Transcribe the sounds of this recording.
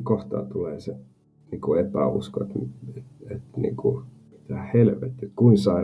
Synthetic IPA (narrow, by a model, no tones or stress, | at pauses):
koht̪ɑ̰ːt̪uleːse | niːkuepæ̰ṵsko̰et̪meet̪nḭːŋku | mi̥t̪æhhelʋḛt̪ːˑiet̪kuinsɑi